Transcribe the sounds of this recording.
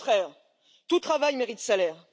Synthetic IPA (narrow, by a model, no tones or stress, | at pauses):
t̪χɛːʁ | t̪ut̪χavajmeʁit̪̚salɛːʁ